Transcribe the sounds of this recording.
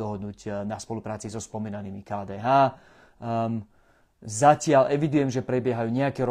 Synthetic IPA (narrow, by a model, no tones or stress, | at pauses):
ɔɦɔd̪̚nuːɟnaspɔlupɾaːt͡sizɔspɔmiːnaniːmikaːd̪ɛːɦaː | zacɪalʔɛʋid̪ujɛmʒɛpɾɛbɪɛɦajuːɲɛakɛɾ